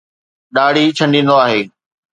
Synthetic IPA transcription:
ɗaːɽ̤it͡ɕʰɐ̃ɳɖĩːnd̪oaːɦeː

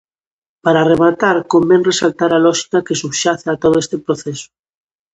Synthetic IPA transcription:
paɾareβat̪aɾkombenresalt̪aɾalɔʃi̥kakesuβʃaθat̪oð̞oest̪epɾoθeso̥

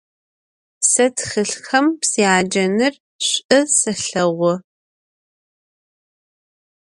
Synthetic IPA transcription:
sɐtxɨɬxɐmpsiaːd͡ʒɐnɨr | ɕʷʼɨsɐɬɐʁʷɔ

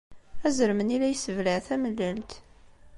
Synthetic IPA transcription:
æzəɾmənilæjsəvləʕθæməlːælt̪

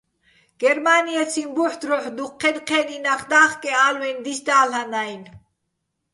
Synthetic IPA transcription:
ɡ̥ɛɾmaniɛt͡sʰinbuħd̪ɾɔħd̪uqʰːɛd̪qʰɛninaχd̪aːχkʼɛaːlwɛnd̪isd̪aːlhanajn

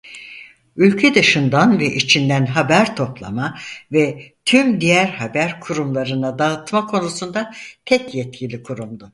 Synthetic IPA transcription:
ylʲcʰɛd̪ɯʃɯnd̪anvɛʔit͡ʃʰind̪ænɦabæɾt̪ʰo̞plˠa̰mavɛt̪ʰymd̪ijæɾhabæɾkʰuɾumlˠaɾɯnad̪aɯt̪makʰo̞nusund̪at̪ʰɛcjɛt̪̚cʰilʲikʰuɾumd̪ʊ

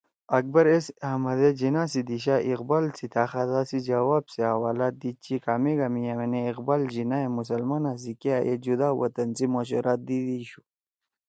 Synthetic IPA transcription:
ɐk̚bɐɾesɐhmɐd̪ed͡ʑinaːsid̪iɕ̬aːʔiqbaːlt͡sʰit̪ʰaːxad̪asid͡ʑɐwaːbseawaːlaːt̪̚d̪it͡ɕikaːmeɡamijaweneːqbaːld͡ʑinaemus̬ɐlmanas̬ikeajḛd͡ʑud̪aːwɐ̰t̪ɐnt͡simoɕ̬ṵɾʔaːt̪̚d̪id̪iɕu̥

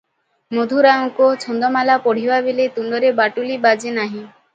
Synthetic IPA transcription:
mod̪ʱuɾaŋkot͡ʃʰɔnd̪ɔmalapɔɽ̤ibabelet̪und̪ɔɾebaʈulibad͡ʒenaɦĩ

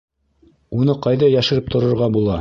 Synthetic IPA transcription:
unɤqɑjðɑjæʃɘ̆ɾɘp̚t̪ʰŏɾŏɾʁɑbulˠɑ

